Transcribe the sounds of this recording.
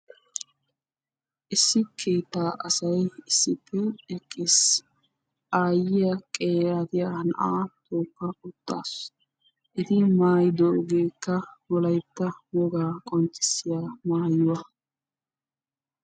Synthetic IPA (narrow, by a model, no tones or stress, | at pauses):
ʔɪsːɪkʰeːt̪ːaːʔɐsɐjɪsːɪpʰːɛɛkʼːɪs | ʔaːjɪjɐkʼeːɾat̪ɪjaɐnʔaːt̪ʰoːkːɐʊt̪ʼːa̰ːs | ʔɛt̪ɪmaːjd̪oːɡeːkːɐwɔlɐjt̪ːɐwɔɡaːkʼɔnt͡ʃːɪ̥sɪjaːmaːjʊwɐ